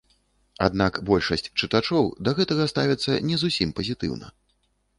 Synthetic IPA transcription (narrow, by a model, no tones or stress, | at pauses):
a̰d̪nakbɔlʲʂɐsʲt͡sʲt͡ʂɨt̪at͡ʂɔwd̪ɐɣɛt̪ɐɣɐst̪avʲɛt̪sːɐ̰nʲɛzusʲimpɐzʲit̪ɨ̰wnɐ̰